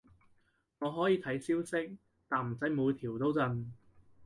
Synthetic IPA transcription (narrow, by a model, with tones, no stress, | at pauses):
ŋɔː˨˧ɦɔː˨˥jiː˨˧t̪ʰɐ˨˥jsiː˥wsɪ˥k̚ | t̪aː˨˩nm̩˨˩t͡sɐ˨˥jmuː˨˧jt̪ʰiː˨˩wt̪o˥wt͡sɐ˨˧n